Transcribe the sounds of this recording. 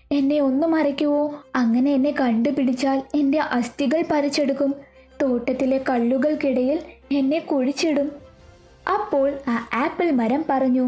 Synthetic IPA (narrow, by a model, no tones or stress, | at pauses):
e̞nːe̞o̞nːumɐrɐkʲːuʋo̞ːɐŋːɐne̞enːe̞kɐɳɖɨpiɽit͡ɕːaːle̞nde̞ʔɐst̪iɣɐɭpɐɾit͡ɕːe̞ɽukːum | t̪o̞ːʈːɐt̪ːile̞kɐɭːuɣɐɭkiɽɐjile̞nːe̞kuɻit͡ɕːeɽum | ɐpːo̞ːɭaːaːpːilmɐɾɐmpɐrɐɲːu